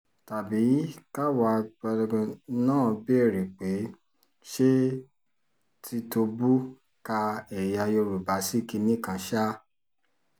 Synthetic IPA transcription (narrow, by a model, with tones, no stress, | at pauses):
ta˨bi˨˦ka˦wa˨˦ɡ͡bɔ˧nãː˦˨bi˦ɛ˦˨ɾi˨k͡pe˨˦ | ʃe˦ | ti˧to˧bu˦ | ka˧ɛ˨ja˧jo˧ɾu˨ba˨˦si˦˨ki˧nĩ˦˨kã˨˦ʃa˦